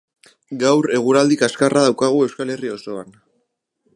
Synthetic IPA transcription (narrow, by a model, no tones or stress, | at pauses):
ɡawɾe̞ɣ̞uɾald̪ikaskaraðawkaɣ̞ue̞wskale̞rio̞so̞a̰n